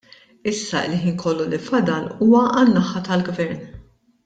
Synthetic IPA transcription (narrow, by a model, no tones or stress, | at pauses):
ɪsːɐɪ̰lħiːnkʰɔlːulɪfɐd̪ɐluːwɐʔɐnːɐħːɐt̪ɐlɡvɛɾn